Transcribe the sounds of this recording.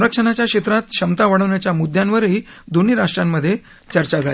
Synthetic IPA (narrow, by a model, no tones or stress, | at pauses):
ɾəkʂəɳ̃at͡ɕjakɕet̪ɾat̪ɕəmt̪aʋaɽəʋɳjat͡ɕjamud̪ʱjanʋəɾɦid̪oniːɾaʂʈɾjamːəd̪ʱːje | t͡ɕəɾt͡ɕad͡zʱali